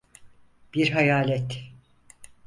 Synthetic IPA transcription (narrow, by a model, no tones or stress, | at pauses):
b̥iɾɦajaːlʲɛt̪